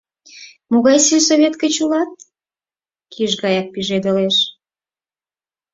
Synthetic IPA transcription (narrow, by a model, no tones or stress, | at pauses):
moɣɑjsilʲsoβʲet̪kət͡ɕulɑt̪̚ | kʰiʒɣɑjɑk̚piʒed̪əleʃ